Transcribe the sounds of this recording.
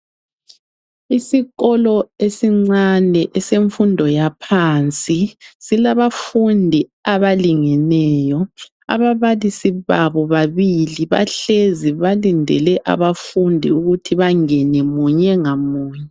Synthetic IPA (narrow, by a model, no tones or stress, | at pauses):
isiɣɔlɔesiŋ͡ǀanɛʔɛseɱfundʱɔjapʰant͡sʼisilaβafundʱiaβaliŋɛnɛːjɔ | a̰βaβalisiβaβɔβaβiliβa̰ɬeziβalindʱɛ̰lɛʔa̰βafundʱiuɣutʰiβaŋɛnɛmuɲɛŋamuːɲɛ